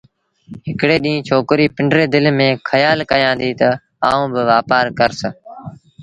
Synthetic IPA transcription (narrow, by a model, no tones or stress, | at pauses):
ɦɪkɽeːɗĩːt͡ʃʰoːkɾiːpɪɳɖɾeːd̪ɪlmẽːkʰəjaːlkəjãːnd̪iːt̪ə | a̰ːũːbɪʋaːpaːɾkəɾsə